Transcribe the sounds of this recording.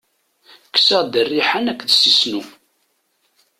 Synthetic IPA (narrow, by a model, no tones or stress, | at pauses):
kə̥səʁd̪ərːiħanækːðsisnu